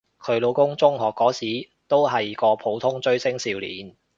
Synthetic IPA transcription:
kʰɵ˨˧ɥlo˨˧wkʊ˥ŋt͡sʊ˥ŋɦɔː˨˩kːɔː˨˥siː˨˥ | t̪o˥wɦɐ˨jkɔː˧pʰo˨˧wt̪ʰʊ˥ŋt͡ʃɵ˥ɥsɪ˥ŋsiː˧wlḭː˨˥n

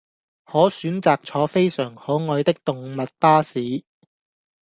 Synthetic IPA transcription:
hɔː˨˥syː˨˥nt͡saː˨k̚t͡sʰɔː˨˥fe˥jsœː˨˩ŋhɔː˨˥ŋɔː˨˧jt̪ɪ˥k̚t̪ʊ˨ŋmɐ˨t̚paː˥siː˨˥

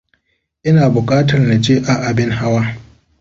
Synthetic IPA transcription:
ʔɪ˦naː˨bʊ˨kʼaː˦tɐ˨rna˨d͡ʒeː˦ʔa˨ʔa˨bɪ˦ŋha˦waː˦

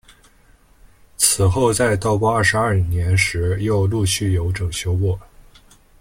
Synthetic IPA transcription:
t͡sʰɹ̩˨˩xo˥˧ʊt͡sa˥˧˩ɪt̪ɑ˥ʊpwɔ˥ɐ˞˥˩ʂɻ̩˧˥ɐ˞˥˩i˨˩njɛ˧˥nʂɻ̩˧˥jo˥˧ʊlu˥˧ɕy˥˩jo˧˥ʊʈ͡ʂɤ˨˩ŋɕjo˥ʊwɔ˥˩

